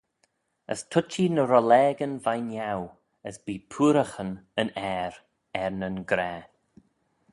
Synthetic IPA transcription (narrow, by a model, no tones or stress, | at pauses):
ə̰stʰʊt͡ʃinəɾɔlɛːɡənvajnjaw | əsbiːpʰuːɾəxənənɛːɾ | ɛɹnənɡɾɛː